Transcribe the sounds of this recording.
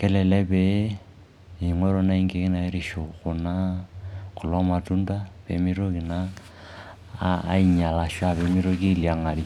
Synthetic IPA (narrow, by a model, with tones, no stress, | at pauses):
kɛ˦lɛ˨lɛ˦bɛ˦ | i˨ŋwɛ˦ɾɔ˦na˦i˦ŋɡe˨ki˦na˨i˦ɾi˨ʃu˨ku˨na˦ | ku˨lɔ˦ma˨tu˦nda˦pḛ˨mi˦ɾo˦ki˨na˦ | i˦ɲa˨la˨ʃwa˦˨βɛ˨mi˦ɾo˦ki˦li˨a˨ŋa˨li˨